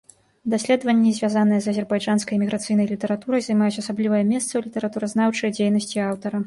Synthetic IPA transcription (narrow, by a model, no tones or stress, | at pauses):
d̪asʲlʲɛd̪vɐnʲːizʲvʲjazanɨjɛzɐzʲɛrbajʐanskɐjmʲiɣɾat̪sɨjnɐjlʲit̪ɛɾat̪uɾɐjzɐjmajut͡sʲasablʲivɐjɐmʲɛst̪sɐwlʲit̪ɛɾat̪uɾɐzn̪awt͡ʂɨjɐd͡zʲejnɐsʲt͡sʲiawt̪ɐɾɐ